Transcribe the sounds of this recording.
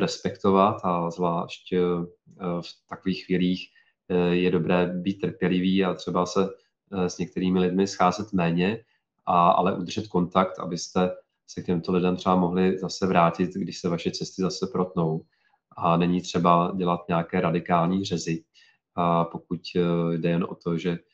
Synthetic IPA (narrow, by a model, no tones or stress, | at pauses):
ɾɛspɛkt̪o̞vat̪azvlaːʃc | ft̪akoviːxːviːliːx | jɛdo̞bɾɛːbiːt̪ːr̩pjɛlɪviːat̪r̝̥ɛbasɛ | zɲɛk̚t̪ɛɾiːmɪlɪdmɪsxaːzɛt̪mɛːɲɛ | ʔaa̰lɛʔud̪r̩ʒɛt̪ko̞nt̪akt̪a̰bɪst̪ɛ | sɛk̚cɛmt̪olɪdɛmt̪r̥ɛbamoɦlɪzasɛvɾaːcɪt̪ɡdɪʃsɛvaʃɛt͡sɛst̪ɪzasɛpɾo̞t̪no̞w | ʔanɛɲiːt̪r̝̥ɛbaɟɛlat̪ɲɛakɛːɾadɪkaːlɲiːr̝ɛzɪ | po̞kucjdɛjɛnʔo̞̰t̪o̞ʒɛ